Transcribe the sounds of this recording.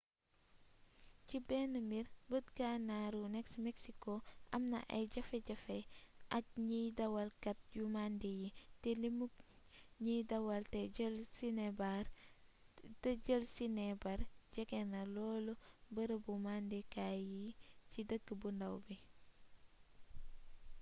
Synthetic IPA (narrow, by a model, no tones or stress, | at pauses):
cibɛnəmiɾbətɡanaɾunɛksmeksikoʔɐmnɐ̰ʔɐ̰jɟɐfeɟɐfɛʔɐk̚ɲidɐwɐlkɐt̚jumandijitɛlimuk | ɲidɐwɐltɛɟəlsinebaɾ | təɟəlsinebɐɾɟɛkɛnɐlɔːlobəɾəbumandekajicidəɡːəbundɐwbi